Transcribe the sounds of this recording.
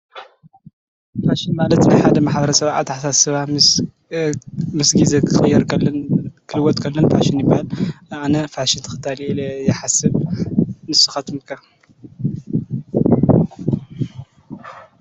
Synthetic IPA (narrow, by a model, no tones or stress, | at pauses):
faʃinmalɐt̪najħad̪ɐmaħbɐɾɐsɐβʕa̰t̪ːħasasɨβa | mɨsɡizekʰɨχʼɨjːɐɾkɐnkʰɨlɨwɔt̪ʼkʰɐlːɐnfa̰ʃɪnjɪbahalanɐfaʃɪnt̪ʰɨxɨ̥t̪ʰːaljɛħasɨβ | mɨsɨ̥xɐt̪ʰumkʰɐ